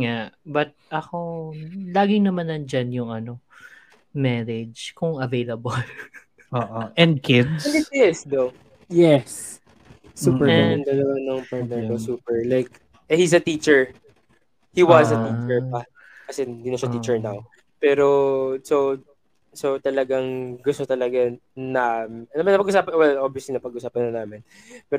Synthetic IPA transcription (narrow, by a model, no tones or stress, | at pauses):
ŋaʔbɐt̪̚ʔɐko̞laːɡɪŋnɐmanɐnd͡ʒanjʊŋʔɐno̞ | mɛɾɛd͡ʒkʊŋɐvejlɐbɐl | ʔoːʔoʔɛ̃nd̪̚kʰɪd̪sɛlɪt̪ɛsd̪ow | jɛsː | uːpɛɛnd̪ɐlɐwanɐŋpaɹt̪nɛɾkosuːpɛɹlajk̚ | ʔɛhisɐt̪iːt͡ʃɛɹ | hiwɐzɐt̪iːt͡ʃɛɹpɐ | kɐsɛɪnd̪iːnɐʃat̪iːt͡ʃɛɹnaw | pɛːɾo̞so | sot̪ɐlɐɡaŋɡʊst̪ot̪ɐlɐɡanɐnɐmɐnɐpɐɡʔʊsaːpɐnwɛlʔobjɐslinɐpɐɡʊsaːpɐnːɐnaːmɪn | pɛːɾo